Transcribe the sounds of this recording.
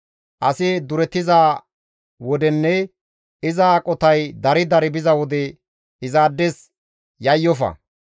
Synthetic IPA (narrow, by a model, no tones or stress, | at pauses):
ʔɐsɪd̪ʊɾɛt̪ːɪzaː | wɔd̪ɛnːɛ | ɪzakʼɔt̪ɐjd̪ɐɾɪd̪ɐɾɪbɪzɐwɔd̪ɛ | ɪzaːd̪ːɛs | jɐjːɔfɐ̰